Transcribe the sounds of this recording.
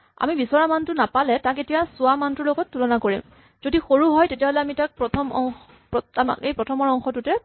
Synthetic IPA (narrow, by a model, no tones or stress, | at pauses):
a̰mibisɔɹamantʊnapalɛtaketijasʊamantʊɹloɡɔtːulɔnakoɹḭm | zodixoɹuɦɔjtetijaɦolɛamitak̚pɹɔtʰɔmɔŋ | pama̰kejpɹɔtʰɔmɔɹɔŋxɔtʊtɛ